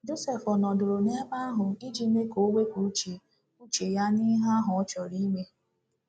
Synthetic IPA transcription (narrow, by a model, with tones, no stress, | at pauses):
d͡ʒo˦se˨fɔ˨nɔ˨dʊ˨ɾʊ˨ne˦ma˦a˦ɦʊ˨i˦d͡ʒi˦me˦ko˨˦wʷe˦kʷu˨˦t͡ʃe˨ | u˦t͡ʃe˨ja˦ni˦ɦa˦ɦʊ˨ɔ˦t͡ʃɔ˨ɾi˦me˦